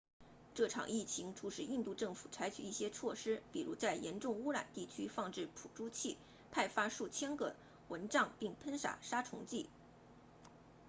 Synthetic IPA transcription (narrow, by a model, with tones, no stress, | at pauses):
ʈ͡ʂɤ˥˩ʈ͡ʂʰɑ̰˨˩ŋi˥˩t͡ɕʰi˧˥ŋʈ͡ʂʰu˧˥ʂɻ̩˥˩i˥˧nt̪u˥˧ʈ͡ʂɤ˥˩ŋfu̥̰˨˩t͡sʰa˧˥ɪt͡ɕʰy˨˩i˥˩ɕjɛ˥t͡sʰwɔ˥˩ʂɻ̩˥pi˨˩ɻṵ˧˥t͡sa˥˩ɪjɛ˧˥nʈ͡ʂʊ˥˧ŋu˥ɻa̰˨˩nt̪i˥˩t͡ɕʰy˥fɑ˥˧ŋʈ͡ʂɻ̩˥˩pʰṵ˨˩ʈ͡ʂu˥t͡ɕʰi˥˩ | pʰa˥˩ɪfa˥ʂu˥˩t͡ɕʰjɛ˥nkɤ̰˥˩˦ | wə˧˥nʈ͡ʂɑ˥˧ŋpi˥˩ŋpʰə˥nʂa̰˨˩ʂa˥ʈ͡ʂʰʊ̰˧˥ŋt͡ɕi˥˩